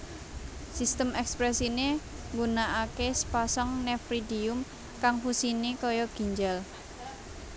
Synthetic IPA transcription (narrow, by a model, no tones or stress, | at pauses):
sist̪əmɛkspɾɛsine | ŋɡunaʔakesə̥pasɔŋnɛfɾidiʊm | kaŋhusinekɔjɔɡ̥i̤ɲd͡ʒal